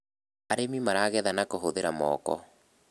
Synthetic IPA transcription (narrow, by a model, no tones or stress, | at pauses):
aɾemimaɾaɣɛðanakoɦoðeɾamɔ̰kɔ̰